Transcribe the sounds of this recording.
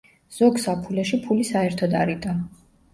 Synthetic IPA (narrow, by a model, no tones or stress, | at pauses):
z̥ɔɡsapʰulɛʃipʰulisaɛɾt̪ʰɔd̪aɾid̪ʼa